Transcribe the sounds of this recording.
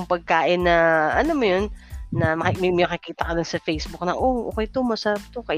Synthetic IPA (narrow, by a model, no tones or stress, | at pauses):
mpɐɡ̚kaːʔɪnːɐʔɐnomojonːɐmɐkɪmɪmɐkɪkiːt̪ɐkɐd̪onsɐfejsbʊk̚nɐʔoʔo̰ːkɛjt̪omɐsɐɾap̚t̪okɐ